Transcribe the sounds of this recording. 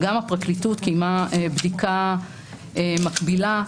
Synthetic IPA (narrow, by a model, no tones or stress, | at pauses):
ɡamapʁaklitutkejmaebdika | emakbila